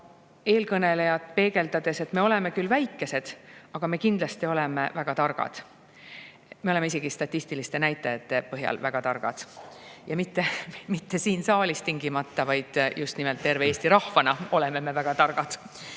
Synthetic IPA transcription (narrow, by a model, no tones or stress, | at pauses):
e̞ːlkɤne̞le̞jɑt̪pe̞ːɡe̞ld̪ɑd̪̥e̞se̞t̪me̞o̞le̞me̞kylvæjkːe̞se̞d̪̥ɑɡ̥ɑme̞kind̪lɑst̪io̞le̞mevæɡ̥ɑt̪ɑrɡ̥ɑ̰d̪̥ | meo̞le̞meiseɡ̥ist̪ɑt̪ʲːˑist̪ilist̪e̞næjt̪ːˑɑjɑt̪ːe̞pɤɦjɑ̰lvæɡ̥ɑt̪ɑrɡ̥ɑ̰d̪̥jɑmit̪ːe̞mit̪ːe̞siːnsɑːlist̪iŋɡimɑt̪ːɑvɑjd̪̥just̪nimelt̪̚p̪e̞ɾveeːst̪iɾɑhvɑnɑo̞le̞me̞me̞væɡ̥ɑt̪ɑrɡ̥ɑd̪̥